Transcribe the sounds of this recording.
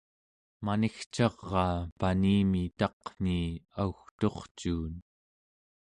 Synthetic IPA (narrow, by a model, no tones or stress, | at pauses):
manixt͡ʃɑʁːɑːpaniːmit̪ɑqn̥iːauxt̪o̞χt͡ʃuːn